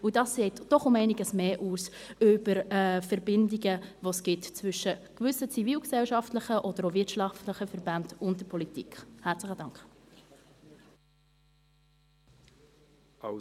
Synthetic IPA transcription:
ʊdɑːsːeːtd̥ɔχʊmɛɪniɡəsmeːʔuːsʏb̥əɾɛfɛɾbɪndiɡəvosɡ̥ɪtt͡svʏʃəkvʏsət͡siviːlksɛlʃɑftləχəʔɔd̥əɾovɪtʃɑftləχəfɛɾbandʊntdəpʰɔlitikχhæːɾt͡sləχəd̥ɑŋkχ

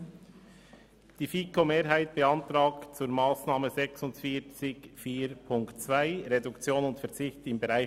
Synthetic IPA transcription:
d̥iːfiːkomeːɾɦaɪt̚b̥əɑntɾaːkt͡suːɾmaːsnaːməzɛksʊntfiːɾt͡sɪkfiːɾpʰʊŋktt͡sv̥aɪɾedʊkt͡sjoːnʊntfɛɐʁt͡sɪçtɪmbəɾaɪ

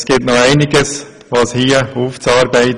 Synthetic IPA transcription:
sɡ̥ɪtnoæɪnɪɡəs | ʋɑshiːəuːft͡sɑːɾbæɪt

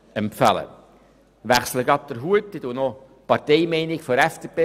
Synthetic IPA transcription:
ɛmpfæ̰lə̰ | ʋæχsləɡɑp̚d̥̪əɾɦuətːit̪unɔ | pɑɾteɪmɛɪnɪkfɔɾɛfd̥eːpeː

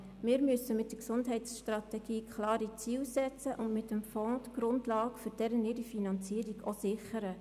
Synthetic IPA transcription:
mɪːɾmysəmɪt̚d̥əksʊndɦɛɪtsʃtrɑt̪ɛɡ̥iːkʰχlɑːɾit͡siːwsɛt͡səʔʊndmɪt̪ːəmfɔːtɡ̥ɾʊndlɑːkføɾd̥ɛɾənɪɾifinɑnt͡siːəɾiɡosɪχəɾə

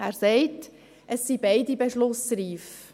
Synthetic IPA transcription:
æːɾsɛɪt | ʔəsːibaɪdibeʃlʊsriːf

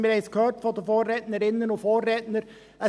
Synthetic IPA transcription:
mɪːɾɛɪskʰhøːɾtfɔdəfoːrɾɛtnəɾɪnːənʊfoːrːɛtnəɾ | ə

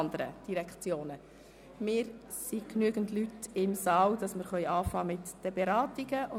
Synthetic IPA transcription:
ndəɾə̰d̥iɾɛkχt͡sjoːnə | mɪːɾ | siknyəɡ̥ən̩tlytɪmsɑːld̥ɑsməɾχœʏɑːfɑːmɪtd̥əbeɾɑːtiɡəʔʊ

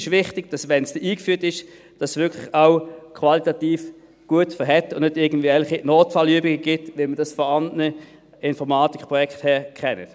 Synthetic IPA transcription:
ɪʃvɪχtɪɡ̥d̥ɑsʋɛnsd̥ɛʔiːkfyːtɪʃ | d̥ɑsvʏɐkʰlɪχaʊkʰvɑlitɑtiːf | ɡ̥uətfɛɦɛtʊnnʏdɪɐɡən̩dvɛlχinoːtfɑlyəbɪɡəɡ̥ɪtʋɪlməd̥ɑsfɔɑndnə | ɪnfɔʁmaːtikpʁɔjɛkthɛːɐkχɛnə̰t

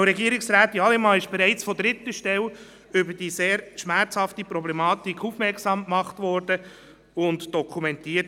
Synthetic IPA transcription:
ɾɛɡiəɾɪksɾæːtiɑlɛmɑːɪʃb̥eɛɾɛɪt͡sfɔdɾɪtːəʃtɛl | ʏbəd̥iːseːɾʃmæɾt͡shɑftipɾɔblɛmɑːtikʰufmɛrksɑːmkmɑχtvɔːɾd̥ə | ʊntd̥ɔkʰumɛntiːət

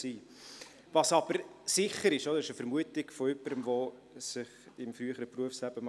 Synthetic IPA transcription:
siː | vɑsɑb̥əɾsɪχːəɾɪʃod̪əɾɪʃəfəɾmuətɪɡfɔʏpːəɾəmvo | sɪχɪmfɾyəχəɾəpruəfslæb̥əm

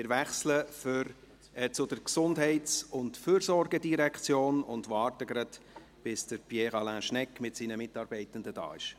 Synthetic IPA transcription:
ɪɾvɛχsləføɾ | t͡sʊd̥əɾksʊndɦɛɪtt͡sʊntfyːɾsɔrɡədiɾɛkt͡sjoːnʊndvɑːrtəɡɾɑd | b̥ɪsd̥əɾpjɛʁɑlæ̃ːʃnɛkmɪtsinəmɪtɑːɾbɛɪtəndəd̥ɑ̰ːɪʃ

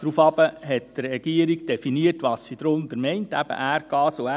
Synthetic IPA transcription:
d̥ɾufɑbəɦɛtd̥rrɛɡ̥iəɾiɡd̥ɛfiniətʋɑssid̪ɾʊnd̪əɾmɛɪntæbə̰ʔæːɾkɑːsoæ

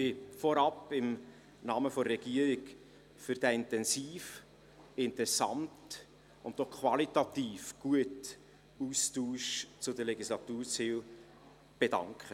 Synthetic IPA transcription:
ɪfɔɾɑpɪm | nɑːməfɔəɾɛɡ̥iːəɾɪk | fyɾd̥æɪntɛnsiːf | ɪntɛsɑ̰nt | ʊntdɔχkʰwɑlitɑtiːfɡ̥uət | uːstuːʃt͡sʊdəlɛɡislɑtuːɾt͡siːl | b̥edɑ̰ŋkχə

